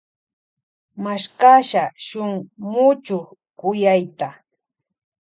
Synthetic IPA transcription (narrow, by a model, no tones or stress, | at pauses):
maʃkaʃaʃʊŋmʊt͡ʃʊχ | kʊjajt̪a